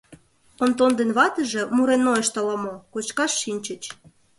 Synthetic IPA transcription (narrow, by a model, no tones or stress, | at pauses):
ont̪ond̪enβɑt̪ə̆ʒĕmuɾenːoeʃt̪ɑlɑmokot͡ɕkɑʃːinʲt͡ɕə̆t͡ɕ